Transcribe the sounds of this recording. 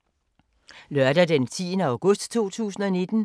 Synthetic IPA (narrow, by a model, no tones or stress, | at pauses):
lɶɐdæd̥ent͡sʰḭðˠnəɑ̈ʊɡ̥ɔ̽sd̥t͡sʰo̝̰ːt͡sʰṵːsn̩ɒ̽ne̝d̥n̩